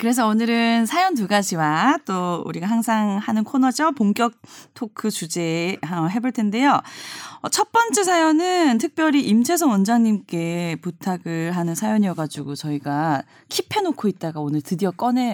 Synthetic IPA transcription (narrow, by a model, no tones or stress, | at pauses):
kɯɾe̞s̬ʰʌonɯɾɯnsʰajʌnt̬uɡad͡ʑiwat͈oṵɾiɡaɦaŋsʰaŋhanɯnkʰonʌd͡ʑʌpoŋk͈jʌk̚tʰokʰɯt͡ɕud͡ʑe̞ʌɦe̞boɭtʰe̞nde̞joʌt͡ɕʰʌt̚p͈ʌnt͡ɕ͈esʰajʌnɯntʰɯk̚p͈jʌɾiʔimt͡ɕʰe̞sʰʌwʌnd͡ʑaŋɲimk͈e̞putʰaɡɯɭɦanɯnsʰajʌɲiʌɡad͡ʑuɡot͡ɕʌiɡa | kʰipʰe̞nokʰoit̚t͈aɡaonɯɭtɯdiʌk͈ʌne̞